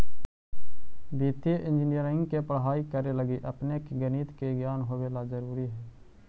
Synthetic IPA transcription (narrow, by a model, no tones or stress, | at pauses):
d̪iːt̪eʔɪ̃nd͡ʒɪnɪjəɾɪ̃ŋɡkepɾɦaːikəɾeləɡiʔəpnekeɡəniːt̪keɡjaːnɦoːʋeːlazəɾuːɾiɦɛː